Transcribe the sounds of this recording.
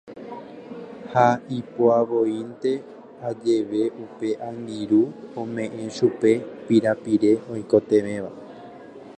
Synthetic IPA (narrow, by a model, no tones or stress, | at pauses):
haipoaʋo̞int̪e̞ | ad͡ʒe̞ʋe̞upe̞ʔãŋɡ̪iɾuõmẽ̞ʔẽ̞ʃupe̞piɾapiɾe̞õjko̞t̪e̞ʋẽ̞ʋa